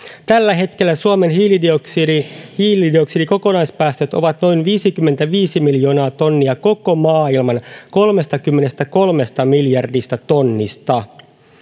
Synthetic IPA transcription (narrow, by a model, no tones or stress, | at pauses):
t̪ælːæɦe̞t̪ke̞lːæsuome̞nhiːlidoksiihiːlidio̞ksidiko̞ko̞nɑjspæːst̪øt̪o̞̰ʋɑt̪no̞jnʋiːsikymːe̞nt̪æʋiːsimiljo̞ːnɑːt̪o̞nːiɑko̞ko̞mɑːilmɑnko̞lme̞st̪ɑkymːe̞ne̞st̪æko̞lme̞st̪ɑmiljɑrdist̪ɑt̪o̞nːist̪ɑ